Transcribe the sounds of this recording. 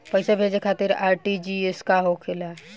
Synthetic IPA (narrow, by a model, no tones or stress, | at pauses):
pəɦɪsebʱed͡ʒekʰat̪ɪɾaːɾʈid͡ʒieskaɦokʰela